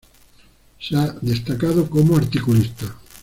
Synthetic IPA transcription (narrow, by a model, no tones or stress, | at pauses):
ʃad̪est̪akaðokomoaɾt̪ikulist̪a